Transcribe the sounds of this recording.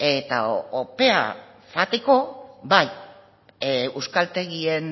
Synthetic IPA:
e̞t̪a̰ope̞a̰ | fat̪eko̞baj | wskalt̪e̞ɣie̞n

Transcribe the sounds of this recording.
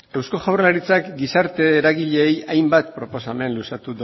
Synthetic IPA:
ewsko̞ʝawrlaɾit͡sakɡisaɾt̪e̞ːɾaɣiʎe̞ːjajmbat̪pɾo̞po̞same̞nlusat̪uð

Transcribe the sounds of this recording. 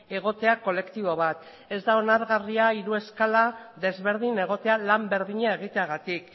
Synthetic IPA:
e̞ɣ̞o̞t̪e̞ako̞le̞kt̪iβ̞o̞βat̪ | e̞zd̪ao̞naɾɣariaiɾue̞skalaðe̞zβe̞ɾð̞ine̞ɣ̞o̞t̪e̞alambe̞ɾðiɲae̞ɣ̞it̪eaɣat̪ik

